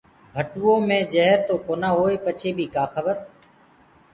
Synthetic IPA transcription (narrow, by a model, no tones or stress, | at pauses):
bʱəʈʊːõːmẽːd͡ʒəɦɾt̪oːkoːnaːɦoːeːpət͡ʃʰeːbʱiːkaːxʰəbəɾ